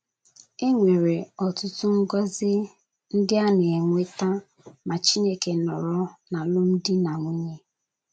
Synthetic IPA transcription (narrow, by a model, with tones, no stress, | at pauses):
e˦ŋʷe˨ɾe˨ɔ˨tʊ˦tʊ˦ŋ̩˦ɡɔ˦zɪ˦ | n̩˦dɪ˦a˦ne˨e˨ŋʷe˦ta˦ | ma˨t͡ʃi˦ne˦ke˨nɔ˨ɾɔ˦na˨lʊ˦m̩˦dɪ˦na˨ŋʷu˦ɲe˦